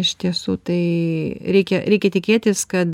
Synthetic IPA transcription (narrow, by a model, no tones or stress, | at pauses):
ɪʃt̪ʲiɛsuːt̪ɐɪɾʲɛɪkʲɛɾʲɛɪkʲɛt̪ʲɪkʲeːt̪ʲɪskɐt̪